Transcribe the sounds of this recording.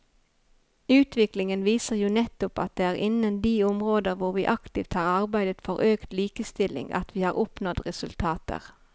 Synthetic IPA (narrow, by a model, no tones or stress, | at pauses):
ʉːt̪ʰʋɪklɪŋənʋiːsəʁjuːnɛt̪ʊpɑ̰t̪̚d̪eːæːʁʔɪnənd̪iːʊmʁoːd̪əʁʋʊʁʋiːʔɑkt̪ɪːft̪hɑːʁɑʁbæɪd̪ət̪fɔʁʔøːkt̪liːkəst̪ɪlɪ̰ŋɑ̰t̪ʋiːhɑːʁʊpnɔt̪ʁɛsʉlt̪ʰɑːt̪ə̰ʁ